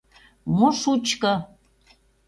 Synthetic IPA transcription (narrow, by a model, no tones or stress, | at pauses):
moʃut͡ɕkɤ̆